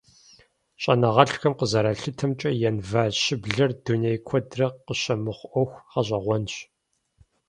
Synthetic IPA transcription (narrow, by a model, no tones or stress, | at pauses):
ɕʼɐnɐʁɐɬxɐmqəzɐɾaɬɨtʰɐmt͡ʃʼɐjɛnvaːɕɪbɮɐrdunejkʷʰɔdrɐqəɕɐmɨχʷʔɔxʷχɐɕʼɐʁʷɔnɕ